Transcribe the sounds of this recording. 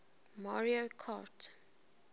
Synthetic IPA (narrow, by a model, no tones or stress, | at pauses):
maɹiokʰat